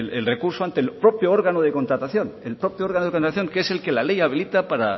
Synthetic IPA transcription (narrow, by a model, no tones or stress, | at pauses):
lelre̞kuɾsoant̪elpɾo̞pjoo̞ɾɣanoð̞eko̞nt̪ɾat̪aθjo̞ne̞lpɾo̞pjooɾɣanoðekont̪ɾat̪aθjoŋkee̞se̞lke̞lale̞jaβ̞ilit̪apaɾa